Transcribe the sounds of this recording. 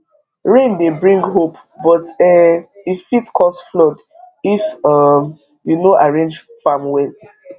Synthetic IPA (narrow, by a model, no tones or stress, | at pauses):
ɹẽndebɹĩŋɡɦop | bɔtɛifitkʰɔsflɔd | ifam | junoʔaɹẽnd͡ʒfamwɛn